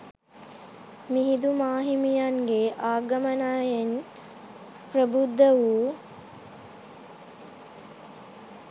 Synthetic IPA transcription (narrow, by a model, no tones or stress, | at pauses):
miɦid̪umaːɦimijaŋɡeʔaːɡəmənaːjen | pɾəbud̪ːəʋuː